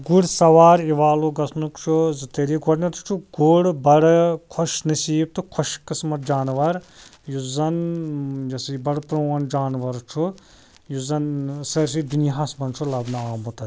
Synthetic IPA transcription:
ɡuɽsɐʋaːɾiʋaːluɡɐsnukt͡ʃʰuzɨt̪eɾiɡɔɽnɐt̪t͡ʃʰuɡuɽbɐɽkʰoʃnɐsiːb̚t̪ɨkʰɔʃkɨsmɐt̪̚d͡ʒaːnʋɐɾjuzɐnjɐsibɐɽpɾoːɐnd͡ʒaːnʋɐɾt͡ʃʰu | juzɐnsɐɾs̬id̪iniɦɐsbɐnt͡ʃʰulɐbnɐaːmut̪ɐ

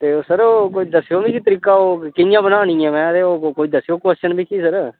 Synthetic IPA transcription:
t̪eːoːsəɾoːkoːid̪əsːjoːbiːkiːt̪əɾiːkaːoːkɪjãːbənaːñĩːɛ̃ːmɛ̃ːt̪eːoːkoːiːd̪əsːjoːkwɛst͡ʃənbʱiːkiːsəɾ

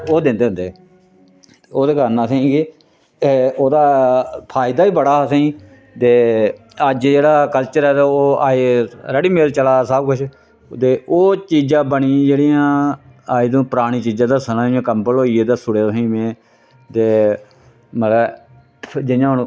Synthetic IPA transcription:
oːd̪ẽːnd̪eːɦʊ̃nd̪eː | oːd̪eːkəɾnaːsẽĩɡe | eoːd̪aːpʰaːjɪd̪aːiːbəɽaːsẽːi | t̪eː | əd͡ʒd͡ʒeːɽaːkəlt͡ʃəɾɛːt̪eoːaːeːɾɛɽiːmeːlt͡ʃəlaːsəb̚kʊt͡ʃʰ | t̪eːʔoːt͡ʃiːd͡ʒãːbəɳiːd͡ʒeːɽiːjãː | aːiːd̪õːpəɾaːɽ̃iːt͡ʃiːd͡ʒãːd̪aːsənãːẽːkəmpəlɦoːiːeːd̪aːsʊɽeːsĩːmẽː | t̪eː | mət̪ə | d͡ʒɪjãːɦʊñː

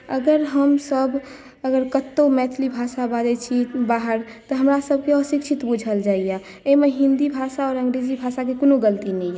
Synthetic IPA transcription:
ə̰ɡəɾɦəmsəbʱ | əɡəɾkət̪ːomɛt̪ʰlibʱasabad͡ʒɛt͡ʃʰibaːɦəɾ | t̪ɔɦəmɾasəb̚ʱkeɔsikt͡ʃʰit̪bud͡ʒʱəld͡ʒaːija | emeɦɪ̃nd̪ibʱasaɔːɾə̃ŋɡɾed͡ʒibʱasakekonoɡəlt̪inɛĩjɛ

